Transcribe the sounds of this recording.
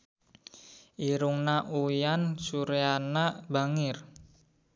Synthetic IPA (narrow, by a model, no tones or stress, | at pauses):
ʔiɾuŋnaʔujansuɾeanaba̤ŋɪr